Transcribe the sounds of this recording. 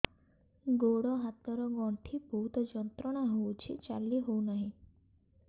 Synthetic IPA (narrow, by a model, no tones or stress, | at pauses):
ɡoɽɔɦat̪ɔɾɔɡɔɳʈʰibʱuut̪ɔd͡ʒɔnt̪ɾɔɽ̃aɦowt͡ʃʰḭt͡ʃa̰liɦounaɦĩ